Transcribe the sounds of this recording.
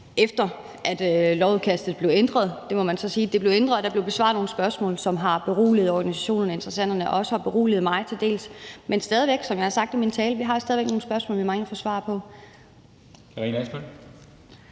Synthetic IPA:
ʔefd̥ɐ | ʔæd̥lɒʊuðˠkʰæsd̥ð̞̩ˠb̥le̝ʊend̥ʁɐð̞ˠd̥emɒ̽mænsɒ̽siːd̥e̝b̥le̝ʊend̥ʁɐð̩ˠd̥ɑ̈b̥le̝ʊb̥e̝sʋɑ̈ːð̩ˠno̝ːn̩sb̥ɶɐsmɔ̰̽ːlsɒ̽mɦɑ̈b̥e̝ʁo̰ːlið̞̩ˠɒɡ̥ænisæɕo̝̰ːnɐnæe̝nd̥ʁɐsæn̰d̥ɐnəʔɒ̽səhɑ̈b̥e̝ʁo̝̰ːlið̩ˠmɑ̈ɪt͡sʰe̝ld̥e̝̰ːlsmensd̥ɛːð̞ˠiʋeɡ̥sɒ̽mjɑ̈hɑ̈sɑ̈ɡ̥d̥imint͡sʰɛːləʋiɦɑ̈sdɛðˠʋeɡ̥no̝ːn̩sb̥ɶɐsmɔ̰̽ːlʋimɑ̈ŋəfɒ̽sʋɑ̰̈pʰɒ̽ | ʁinæsb̥en

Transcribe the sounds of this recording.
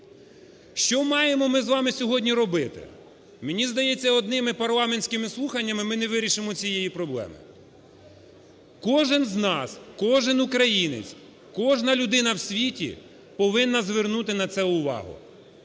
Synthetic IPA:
ʃt͡ʃɔmɑjemɔmɪzʋɑmɪsʲɔɦɔdʲnʲiɾɔbɪt̪ɪ̰ | mɪnʲizd̪ɐjɛt͡sʲːɐɔd̪nɪmɪpɐrlˠɑmenʲsʲkɪmɪslˠuxɐnʲːɐmɪmɪnɛʋɪɾʲiʃɪmɔt͡sʲijɛjipɾɔblˠɛ̰mɪ̰ | kɔʒɪnznɑskɔʒɪnʊkɾɐjinɪ̰t͡sʲ | kɔʒnɐlʲʊd̪ɪnɐwsʲʋʲitʲḭ | pɔʋɪnːɐzʋernut̪ɪnɐt̪sɛʊʋɑ̰ɦʊ̰

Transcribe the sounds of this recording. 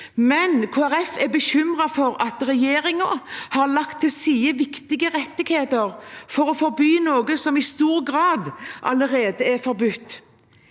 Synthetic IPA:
mɛnkʰoːæɾɛfɛbəçʏmʁɑfɔɾɑt̪ɾɛjeːɾɪŋəhɑɾlɑkt̪ʰːɪlsiːəʋɪkt̪ɪɡəʁɛt̪ːɪɡheːt̪əɾfɔɾɔfɔɾbyːnoːɡəsɔmɪst̪uːɾɡɾɑːd̪ʔɑ̰ləɾeːd̪əɛɾfɔɾbʉt̪ː

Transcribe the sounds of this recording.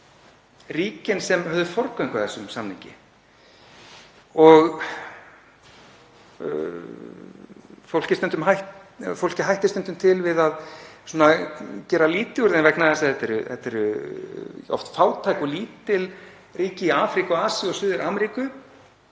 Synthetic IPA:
riːcɪnsɛmhœvðʏfɔɾkœjŋkaθɛsːʏmsamnɪŋcɪ̰ | ɔɣ | fowl̥cɪst̪œnt̪ʏmɦajhfowl̥cɪɦajht̪ɪst̪œnt̪ʏmt̪ʰɪlvɪðaðsuːnacɛːɾaliːt̪ɪuɾðɛnvɛknaθɛsaθɛt̪ɛɾʏθɛt̪ɛɾʏ | ɔ̰ft̪faːwt̪ʰajkɔliːt̪ːɪl | riːcɪiaːfɾikɔaːsiɔsʏːðʏɾʔaːmɛɾiːkʏ

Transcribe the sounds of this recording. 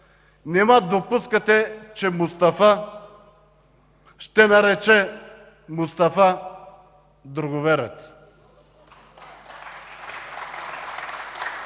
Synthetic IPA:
nɛmad̪opuskat̪ɛt͡ʃɛmust̪afa | ʃt̪ɛnaɾɛt͡ʃɛ | must̪afa | d̪ɾuɡovɛɾɛ̰t̪s

